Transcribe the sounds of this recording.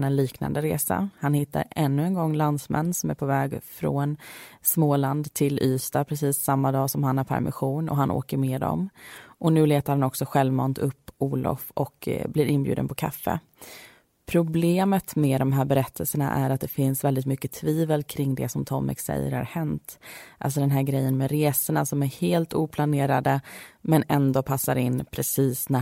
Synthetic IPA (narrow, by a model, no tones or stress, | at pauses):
nɛnliːkna̰nd̪əɾḛːsa̰hanhɪt̪ːa̰ɾɛnːɵɛnɡɔŋːland̪smɛ̰nːsɔmæɾpʰɔvɛːɡfɾɔnsmoːland̪t̪ʰɪlʔyːst̪apʰɾɛsiːsːamːad̪ɑːsɔmhanhaɾpʰæ̰ɾmɪ̰ɧuːnɔ̰ɦanʔo̰ːkəɾmeːd̪ɔ̰mʔɔnʉ̟ːleːt̪aɾhanɔksɔɧɛlvmɔnt̪ʰɵpːuːlɔ̰fʔɔkblɪɾʔɪnbjʉ̟ːd̪ə̰npʰɔkʰa̰fːə̰ | pʰɾʊbleːmət̪mɛːd̪ɔmɦæːɾbɛɾɛt̪ʰːəlsəɳa̰ʔæɾat̪̚d̪ɛfɪnsvɛld̪ɪt̪mʏkːət̪ʰviːvəlkʰɾɪŋːd̪ɛ̰sɔmt̪ʰɔmːɪ̰ksɛ̰jːə̰ɾha̰ɾhɛnt̪ʔa̰ls̬ɔd̪ɛnɦæːɾɡɾɛjːənmɛɾeːsəɳasɔmæɾheːlt̪uːpʰlaneːɾad̪əmɛnɛnd̪oːpʰasːaɾɪnːpʰɾɛsiːsnæ